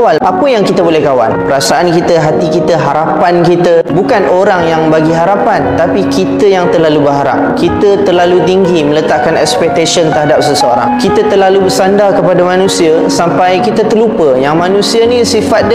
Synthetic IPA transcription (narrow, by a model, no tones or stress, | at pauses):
walʔapəjaŋkit̪əbolɛhkawa̰npəɾasaʔankit̪əɦat̪ikit̪əɦaɾapankit̪əbukanʔoɾaŋjaŋbaɡiɦaɾapant̪apikit̪əjaŋt̪ərlalubəɦaɾa̰p̚kit̪ət̪ərlalut̪̬iŋɡimə̃lət̪aʔkanɛkspɛk̚t̪asənt̪əɾɦadap̚səsəoɾa̰ŋkit̪ət̪ərlalubəsandakəpadamanũsia | sampajkit̪ət̪ərlupəjaŋmanũsianĩsifat̪̚d